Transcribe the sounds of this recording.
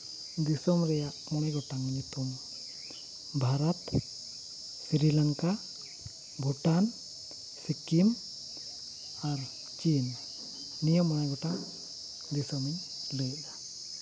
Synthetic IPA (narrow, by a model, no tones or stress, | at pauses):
d̪isɔmɾɛjaʔmɔɽ̃ajɡɔʈaŋɲut̪um | bʱaɾɔt̪ | siɾilaŋka | bʱuʈan | sikim | aɾ | t͡ʃinː | ijɔmːɔñajɡɔʈaŋ | d̪isɔmiɲ | lɛjd̪a